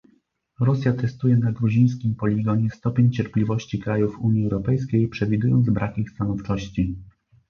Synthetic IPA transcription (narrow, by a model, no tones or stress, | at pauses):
ɾɔsʲjat̪ɛst̪ujɛnaɡɾuʑij̃s̬kʲimpɔlʲiɡɔɲɛst̪ɔpʲeɲt͡ɕɛɾplʲivɔɕt͡ɕikɾajufuɲjiɛwɾɔpɛjskʲejpʂɛvʲid̪ujɔnd̪zbɾakixst̪anɔft͡ʂɔɕt͡ɕi